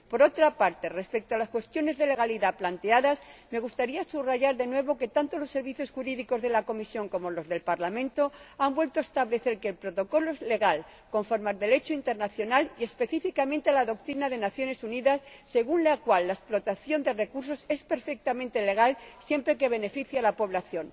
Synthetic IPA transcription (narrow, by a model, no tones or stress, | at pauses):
po̞ɾo̞t̪ɾapaɾt̪e̞re̞spe̞k̚t̪oalaskwe̞st̪jo̞ne̞zðe̞le̞ɣ̞aliðaplant̪eaðasme̞ɣ̞ust̪aɾiasuβraʝaɾðe̞nwe̞β̞o̞ke̞t̪ant̪o̞lo̞sːe̞ɾβiθjo̞sxuɾiðiko̞zðelako̞misjo̞ŋko̞mo̞lo̞zðe̞lpaɾlamẽnt̪o̞ambwe̞lt̪oaest̪aβle̞θe̞ɾkeːlpɾo̞t̪o̞ko̞loezle̞ɣal | ko̞ɱfoɾmaɾðe̞le̞t͡ʃoint̪e̞ɾnaθjo̞nalie̞spe̞θifikamẽ̞nt̪ealaðo̞k̚t̪ɾinaðe̞naθjo̞ne̞suniðasːe̞ɣ̞unlakwalːaesplo̞t̪aθjo̞nd̪e̞re̞kuɾs̬o̞se̞spe̞ɾfe̞k̚t̪amẽnt̪ele̞ɣ̞alsjempɾe̞k̬e̞β̞e̞ne̞fiθjalapo̞βlaθjo̞n